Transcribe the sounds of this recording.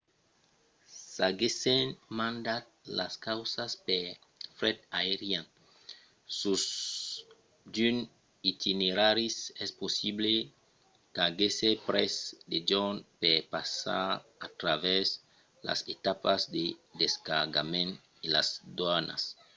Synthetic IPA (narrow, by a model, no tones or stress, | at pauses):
saɡesenmãnd̪at̪̚la̰skawsaspe | fɾɛt̪aeɾjan | sus | d͡ʒyn | it̪ineɾaɾisɛsposible | kaɡesepɾɛsd̪ed͡ʒonpepasa̰ɾat̪ɾavɛz | la̰set̪apazd̪ed̪eskaɾɡa̰mẽn | ila̰zd̪wana̰s